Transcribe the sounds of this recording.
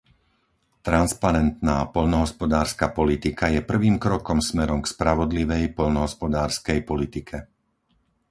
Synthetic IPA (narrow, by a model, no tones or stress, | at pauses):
t̪ɾanspaɾɛnt̪naːpɔʎnɔɦɔspɔd̪aːɾskapɔlit̪ikajɛpr̩ʋiːmkɾɔkɔmsmɛɾɔmkspɾaʋɔd̪liʋɛjpɔʎnɔɦɔspɔd̪aːɾskɛjpɔlit̪ikʰɛ